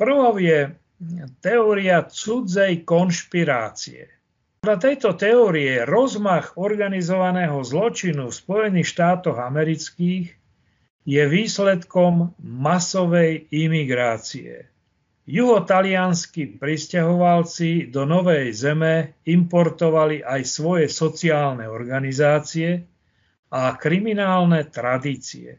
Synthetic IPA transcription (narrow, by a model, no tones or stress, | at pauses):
pr̩ʋɔʊjɛ | t̪ɛɔːɾiat͡sud͡zɛjkɔnʃpiɾa̰ːt͡sḭɛ̰ | ppɔd̪ʎat̪ɛjt̪ɔt̪ɛɔːɾiɛɾɔzmaɣɔɾɡanizɔʋanɛːɦɔzlɔt͡ʃinufspɔjɛniːxʃt̪aːt̪ɔɣamɛɾit͡skiːɣ | jɛʋiːslɛt̪kɔmːasɔʋɛjimiɡɾaːt͡siɛ̰ | juɦɔt̪alɪanskipɾiscaɦɔʋalt͡sid̪ɔnɔʋɛjzɛmɛimpɔɾt̪ɔʋaliʔajsʋɔjɛsɔt͡siaːlnɛɔɾɡanizaːt͡siɛ | akɾiminaːlnɛt̪ɾad̪iːt͡sḭɛ̰